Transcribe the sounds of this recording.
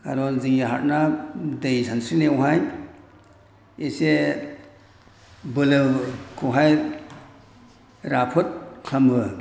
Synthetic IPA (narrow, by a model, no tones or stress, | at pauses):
ka̰lɔnziŋiɦa̰ɾ̚nadejsʰansɾinewɦaj | ese | bɯlɯwkʰɯwɦaj | ɾapʰɯt̚kʰambɯ